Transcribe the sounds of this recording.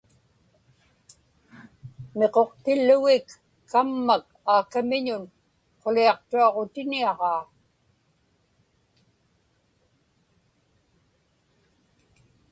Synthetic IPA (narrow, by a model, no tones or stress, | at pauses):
me̞qo̞qt̪ɪlːʊɣɪkː | amːak | aːkamɪɲʊn | qo̞liɑqt̪uɑʁo̞t̪ɪniɑʁɑː